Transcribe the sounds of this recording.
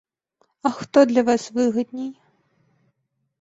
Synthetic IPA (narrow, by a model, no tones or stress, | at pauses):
ɐxt̪ɔd̪lʲɐvasvɨɣɐd̪ʲnʲɛj